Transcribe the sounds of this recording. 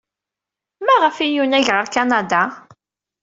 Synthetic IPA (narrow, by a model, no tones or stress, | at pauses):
mæʁəfijunæʝʁəɾkanad̪a